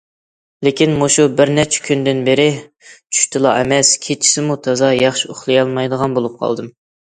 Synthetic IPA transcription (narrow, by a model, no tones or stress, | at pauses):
lekʲinmoʃubɪɾnɛt͡ʃʰɛ̥kʲynd̪ɪnbeɾɪ | t͡ʃʰy̥ʃt̪ʰɨlˠɑ̰ɛ̰mɛskʲʰet͡ʃʰi̥sɪmut̪ʰɑzɑjɑχʃioχlˠɨjɑlˠmɑjd̪əʁɑnbolˠup̚qʰɑ̰lˠd̪ɨm